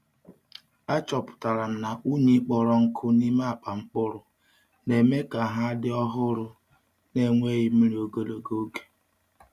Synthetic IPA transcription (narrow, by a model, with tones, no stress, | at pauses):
a˦t͡ʃɔ˨pʊ̥˨ta˨ɾa˨m̩˨na˨ʔu˦ɲe˦k͡pɔ˨ɾɔ˨ŋ̩˦kʰʊ˦ni˦ma˦a˨k͡pa˨ŋ͡m̩˦k͡pʊ˦ɾʊ˨ | ne˨me˦ka˨ɦa˦dɪ˦ɔ˦ɦʊ˦ɾʊ˦ | ne˨ŋʷe˦ɣɪ˦mi˦ɾo˨ɡo˨lo˨ɡo˦ɡe̥˨